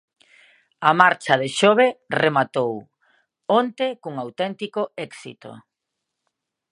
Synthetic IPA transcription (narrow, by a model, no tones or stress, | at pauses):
amaɾt͡ʃaðeʃoβeremat̪ow | ɔnt̪ekuŋawt̪ɛnt̪ikoɛksḭt̪o̰